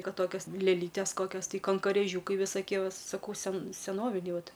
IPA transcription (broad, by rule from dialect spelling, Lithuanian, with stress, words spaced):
ˈkɐt ˈtoːkʲoːs lʲeːˈlʲiːtʲeːs ˈkoːkʲoːs ˈtɐɪ kɐŋkoːrʲeːˈʒʲuːkɐɪ ʋʲɪsoːˈkʲiɛ ˈʋɐ sɐˈkɐʊ sʲɛn sʲɛˈnoːʋʲɪnʲɛɪ ˈʋɐt